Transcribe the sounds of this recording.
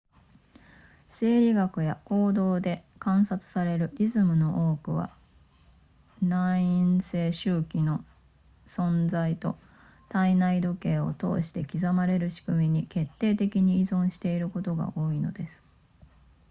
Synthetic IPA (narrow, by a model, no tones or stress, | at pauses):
se̞ːɾʲiɡakɯ̟jako̞ːd̪o̞ːd̪e̞kãɰ̃sat͡sɨ̥saɾe̞ɾɯ̟ɾʲizɨmɯ̟no̞ʔoːkɯ̟βa̰ | nãĩñse̞ːɕɨːkʲino̞ | sõ̞nd͡zait̪o̞̰ | t̪ainaid̪o̞ke̞ːo̞̰t̪o̞̰ːɕi̥t̪e̞kʲizamaɾe̞ɾɯ̟ɕi̥kɯ̟mʲiɲ̟ike̞t̪ːe̞ːt̪e̞kʲiɲ̟iːzõ̞ɰ̃ɕi̥t̪e̞iɾɯ̟ko̞t̪o̞ɡa̰ʔo̞ːino̞̰d̪e̞sɨ̥